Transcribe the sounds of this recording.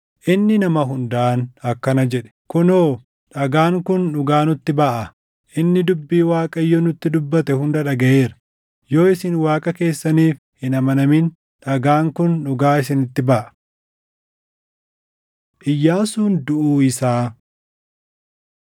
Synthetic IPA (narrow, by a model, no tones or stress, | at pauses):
ʔɪnːɪnɐmɐɦʊnd̪ɐʔɐnɐkːɐnɐd͡ʒɛᶑɛ̥kʊnoː | ᶑɐɡaːŋkʊnːʊɡaːnʊt̪ːɪbɐʔɐ | ʔɪnːɪd̪ʊbːiːwaːkʼɐjːonʊt̪ːɪd̪ʊbːɐt̪ɛhʊnd̪ɐᶑɐɡɐje̞ːɾɐ̥ | jo̞ːɪsɪnwaːkʼɐke̞ːsːɐniːf | hɪnɐmɐnɐmɪn | ᶑɐɡaːŋkʊnːʊɡaːɪs̬ɪnɪt̪ːɪbɐʔɐ̥ | ʔɪjːaːsuːnd̪ʊʔuːɪsaː